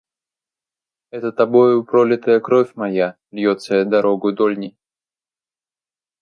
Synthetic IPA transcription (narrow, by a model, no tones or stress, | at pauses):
ɛt̪ət̪ɐbojʊpɾolʲɪt̪əjəkɾofʲmɐja | lʲjot̪səjəd̪ɐɾoɡʊd̪olʲnʲɪj